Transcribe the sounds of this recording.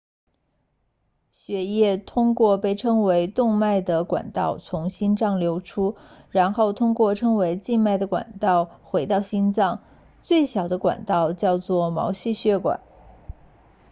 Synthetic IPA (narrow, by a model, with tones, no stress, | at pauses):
ɕɥɛ˧˥jɛ˥˧t̪ʰʊ˥ŋkwɔ˥˧pe˥˩ɪʈ͡ʂʰɤ˥ŋwe˧˥ɪt̪ʊ˥˧ŋma˥˩ɪd̪ə˩kwa̰˨˩nt̪ɑ˥˩ʊt͡sʰʊ˧˥ŋɕi˥nʈ͡ʂɑ˥˩ŋljo˧˥ʊʈ͡ʂʰu˥ɻa˧˥nxo˥˩ʊt̪ʰʊ˥ŋkwɔ˥˩ʈ͡ʂʰɤ˥ŋwe˧˥ɪt͡ɕi˥˧nma˥˩ɪd̪ə˩kwa̰˨˩nt̪ɑ˥˩ʊxwe˧˥ɪt̪ɑ˥˩ʊɕi˥nt͡sɑ˥˧ŋ | t͡swe˥˩ɪɕjɑ˨˩ʊd̪ə˦kwa̰˨˩nt̪ɑ˥˧ʊt͡ɕjɑ˥˧ʊt͡swɔ˥˩mɑ̰˧˥ʊɕi˥˩ɕɥɛ˧˥kwa̰˨˩˦n